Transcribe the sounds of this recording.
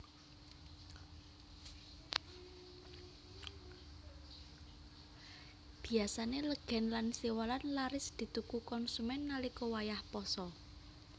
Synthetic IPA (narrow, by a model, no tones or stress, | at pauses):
b̥i̤asaneləɡ̥ɛ̤nlansiwalanlaɾɪsd̪̥i̤t̪ukukɔnsumɛnːalikɔwajahpɔsɔ